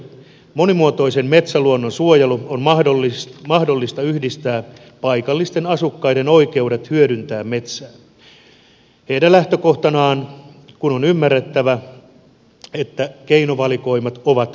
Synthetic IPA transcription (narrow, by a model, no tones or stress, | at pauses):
mo̞nimuot̪oise̞mme̞t̪sæluonːonsuojɑluonmɑholːimɑhdolːist̪ɑyhdist̪æː | pɑikɑlːist̪e̞nɑsukːɑjde̞no̞ike̞uɾet̪hyøɾynt̪æːmme̞t̪sæː | heidælæht̪øko̞ht̪ɑnɑːnkunonymːærːet̪ːæʋæ | et̪ːækeinoʋɑliko̞imɑt̪oʋɑt̪